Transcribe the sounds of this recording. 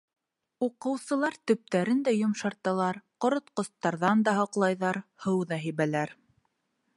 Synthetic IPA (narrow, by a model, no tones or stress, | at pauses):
uqɤ̆wsɤ̆lˠɑɾt̪ɵ̆p̚t̪æɾɘnd̪æjŏmʃɑɾt̪ɑlˠɑɾqŏɾŏt̪qŏst̪ːɑɾðɑnd̪ɑɦɤ̆qlˠɑjðɑɾhɤwðɑɦiβælæɾ